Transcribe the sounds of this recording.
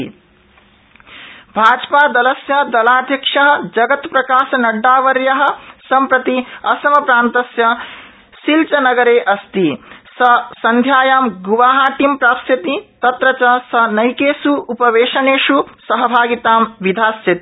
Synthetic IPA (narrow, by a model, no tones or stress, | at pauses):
bʱaːd͡ʒpaːd̪ɐlɐsjɐd̪ɐlaːd̪ʱjɐkʂɐɦɐ̆d͡ʒɐɡɐt̪pɾɐkaːsɐnɐɖːaːʋɐɾjɐɦɐ̆sɐmpɾɐt̪iɐsɐmɐpɾaːnt̪ɐsjɐ | silt͡ʃɐnɐɡɐɾeːʔɐst̪isɐsɐnd̪ʱjaːjaːmɡuʋaːɦaːʈimpɾaːpsɐt̪it̪ɐt̪ɾɐt͡ʃɐsɐnɐjkeːsuʔupɐʋeːʂɐneːʂusɐɦɐbʱaːɡit̪aːmʋid̪ʱaːsjɐt̪i